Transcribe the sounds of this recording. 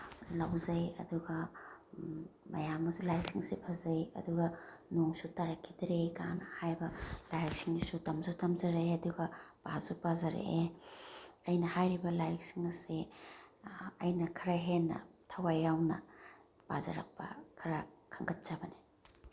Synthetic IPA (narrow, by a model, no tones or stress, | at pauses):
lɐwzɐjɐ̰duɡɐ | mɐ̰jamːɐsulajɾiksiŋsipʰɐzɐjɐ̰duɡɐnoŋsutaɾɐkʰːidɐɾekanɐhajbɐlajɾɐk̚siŋnisutɐmzutɐmzɐɾejɐduɡɐb̥asupazɐɾḛʔe | ɐjnɐhajɾibɐlajɾik̚siŋɐse | ɐjnɐkʰɐɾaɦenːɐ̰tʰɐwajawnɐ̰ | pa̰za̰ɾɐ̰k̚pɐ̰kʰɐɾakʰɐŋɡɐt̚t͡ʃabɐni